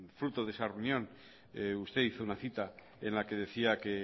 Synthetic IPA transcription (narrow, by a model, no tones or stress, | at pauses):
fɾut̪oðesareunjõ̞n | eust̪e̞iθounaθit̪a | enlake̞ð̞e̞θiake